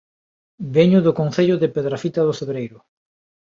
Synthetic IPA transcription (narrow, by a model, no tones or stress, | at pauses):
beɲʊðʊkonθeʎʊðepeðɾafit̪aðʊfeβɾejɾʊ